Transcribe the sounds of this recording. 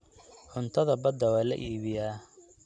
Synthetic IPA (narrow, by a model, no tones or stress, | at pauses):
ħʊnt̪ʰɐðɐbɐd̪ːɐwɑːlɐ̰ʔiːβɪjaː